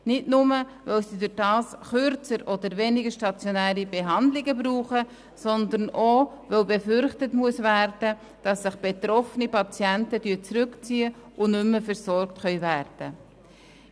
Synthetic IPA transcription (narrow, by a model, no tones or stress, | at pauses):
nɪtnʊməvœwsidʊd̥ɑːsχʏɾt͡səɾʔɔd̪əɾvɛnɪɡəɾʃtɑt͡sjonæːɾibeɦɑndlɪɡəbɾuːχə | sɔnd̪əno | vœwbefʏɾχtətmuəsvæɾd̥ə | d̥ɑsːɪχb̥et̪ɾɔfənipɑt͡sjɛntəd̥yːt͡sɾʉkt͡siːəʊnʏmːəfəɾsɔɾktχœʏvæɾd̥ə